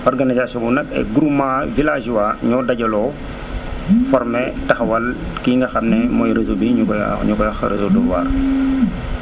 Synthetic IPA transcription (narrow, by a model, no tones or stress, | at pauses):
ɔrɡanizasɔ̃ŋunɐkɛ̰ɡuɾumavilaːd͡ʒwaːɲɔːdɐɟɐlɔː | fɔɾmɛtɐxwɐl | kiːŋɡɐxɐmnɛmɔjɾezobiɲuɲukɔjaxɾḛzoduwa̰ːr